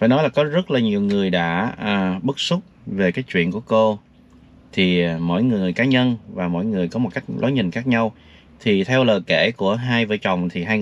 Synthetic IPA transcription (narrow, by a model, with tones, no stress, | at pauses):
faː˧˩jnɔ˨˦jlaː˨˩kɔ˨˦zə˦˥t̚laː˨˩ɲi˨˩əwŋɨ˨˩əjɗa̰ː˧˥əː˨˩ɓɨ˦˥k̚sʊ˦˥k͡p̚ve˨˩kaː˨˦jt͡ɕwḭ˧˨ənku˧˩əko˧ | t̪ʰi˨˩˨mo̰˧˥˨jŋɨ˨˩əjkaː˨˦ɲə˧nvaː˨˩mo̰˧˥˨jŋɨ˨˩əjkɔ˨˦mo˨˩t̚ka˦˥k̟̚lɔ̰˨˦jɲï˨˩ŋ̟xaː˦˥k̚ɲa˧w | t̪ʰi˨˩t̪ʰɛ˧wləː˨˩jke˧˩ku˧˩əɦaː˧jvəː˨˦jt͡ɕɔ˨˩wŋ͡mt̪ʰi˨˩ɦaː˧j